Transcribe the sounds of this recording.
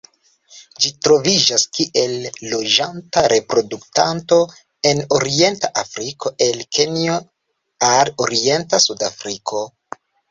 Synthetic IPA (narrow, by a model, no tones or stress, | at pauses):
d͡ʒitɾo̞vid͡ʒaskiʔe̞lːo̞d͡ʒantaɾe̞pɾo̞duktanto̞ | e̞no̞ɾie̞ntaʔafɾikʰo̞ʔe̞lkʰe̞nio̞ | aloɾie̞ntasudafɾikʰo̞